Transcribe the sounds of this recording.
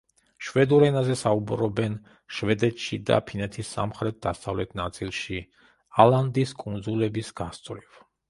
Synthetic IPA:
ʃwɛd̪uɾɛnazɛsaubɾɔbɛn | ʃvɛd̪ɛt̪ʃid̪a̰pʰinɛt̪ʰisːa̰mχɾɛt̪̚d̪asavlɛt̪ʰnat̪sʼilˠʃi | alˠand̪iskʼund̪zulɛbisɡast̪sʼɾiv

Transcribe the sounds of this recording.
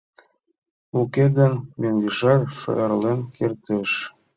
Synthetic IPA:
uked̪ɘ̆nmeŋɡiʃɑrʃo̰jɑɾlenkert̪ĕʃ

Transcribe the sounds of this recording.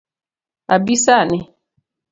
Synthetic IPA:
abisanɛ

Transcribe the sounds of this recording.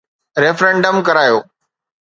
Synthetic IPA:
ɾeːfɾẽːɳɖəmkɐɾaːjoː

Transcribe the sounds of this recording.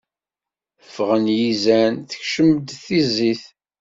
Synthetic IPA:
əfʁənjizænθə̥çʃəməd̪θiziθ

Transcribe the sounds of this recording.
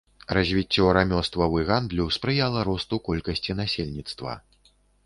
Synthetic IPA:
razʲvʲit͡sʲːɔɐɾamʲɔst̪vɐwɨɣand̪lʲuwspɾɨjalˠɐɾɔst̪ukɔlʲkɐsʲt͡sʲinasʲelʲnʲit̪st̪vɐ̰

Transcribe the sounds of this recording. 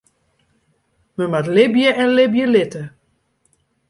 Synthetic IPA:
məmatlɪbjəʔɛnlɪbjəlɪtə

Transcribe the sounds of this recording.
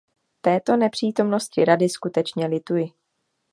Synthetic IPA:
t̪ɛːt̪o̞nɛpr̝̥iːt̪o̞mno̞scɪɾadɪskut̪ɛt͡ʃɲɛlɪt̪ujɪ

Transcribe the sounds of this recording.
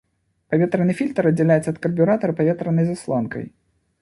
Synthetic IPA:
pavʲɛt̪ɾɐnɨfʲilʲt̪ɾɐd̪ʲd͡zʲɛlʲajɛt̪sɐt̪̚kɐrbʲuɾat̪ɐɾɐpavʲɛt̪ɾɐnɐjzaslˠɔnkɐ̰j

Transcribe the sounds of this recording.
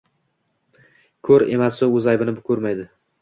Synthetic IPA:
kʰɵɾe̞masoɵzajbɪnɪbʊkʰɵɾmajd̪ɪ

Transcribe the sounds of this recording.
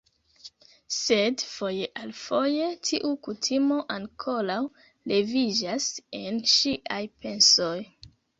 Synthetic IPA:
se̞dfo̞je̞ʔalfo̞je̞tʰiʔukutʰimo̞ʔaŋkʰo̞law | le̞vid͡ʒase̞nʃiʔajpe̞nso̞j

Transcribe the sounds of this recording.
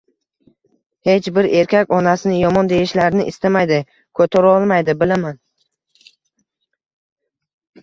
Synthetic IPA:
he̞t͡ʃbɪɾe̞ɾkʲʰakʲɒnasɪnɪjɒmɒnd̪e̞jɪʃlaɾnɪʔɪst̪amajd̪ɪ | kʰɵt̪ʰaɾaɒlˠmajd̪ɪbɪlaman

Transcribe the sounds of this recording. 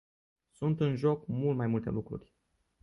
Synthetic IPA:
sunt̪ɨnʒo̞kmult̪majmult̪e̞̰lukɾṵrʲ

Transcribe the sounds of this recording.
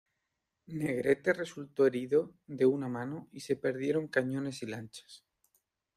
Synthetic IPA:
ne̞ɣɾe̞t̪e̞re̞sult̪o̞e̞ɾiðoðe̞unamãnoise̞pe̞ɾðje̞ɾo̞ŋkaɲõ̞ne̞silant͡ʃḁs

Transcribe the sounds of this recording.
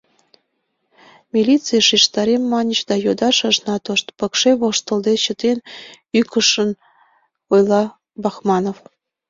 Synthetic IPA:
mʲilʲit͡sɨjəʃiʃt̪ɑɾemːɑnʲəɕd̪ɑjod̪ɑʃɑ̆ʒnɑt̪oʃt̪pɤ̆kʃeβoʃt̪ə̆ld̪et͡ɕə̆t̪en | ykə̆ʃə̆n | ojlˠɑ | bɑxmɑnof

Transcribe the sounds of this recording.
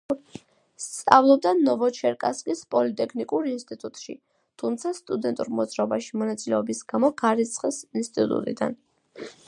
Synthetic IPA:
st̪sʼa̰vlˠɔb̚d̪anɔvɔt͡ʃʰɛɾkʼa̰skʼispʼɔlit̪ʼɛkʰnikʼuɾinst̪ʼit̪ʼut̪ʼʃḭ | t̪ʰumt̪sʰast̪ʼud̪ɛnt̪ʼuɾmɔd̪zɾaɔbaʃimɔnat̪sʼilɛɔbisɡ̥amɔɡaɾit̪sʰʼχʼɛsinst̪ʼit̪ʼut̪ʼṵt̪ʼḭd̪a̰n

